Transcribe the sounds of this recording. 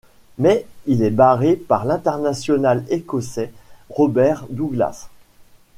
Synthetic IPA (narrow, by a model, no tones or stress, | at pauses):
mɛilɛbaʁepaʁlɛ̃t̪ɛʁnasjɔnalekɔsɛʁɔbɛʁd̪uɡla̰s